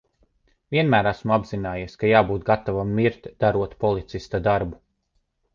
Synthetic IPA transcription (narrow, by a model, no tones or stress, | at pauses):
vʲiɛnmæːɾæsmuabzinaːjaskajaːbuːt̪̚ɡat̪avamːiɾt̪ʲd̪̥aɾuɔt̪pɔlˠit̪sist̪ad̪aɾbu